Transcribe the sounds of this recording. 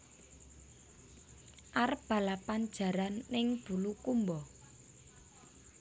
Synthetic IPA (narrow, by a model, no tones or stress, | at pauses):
ʔaɾəb̥a̤lapan̥d͡ʒ̥ä̤ɾanːɪŋb̥ṳlukumbɔ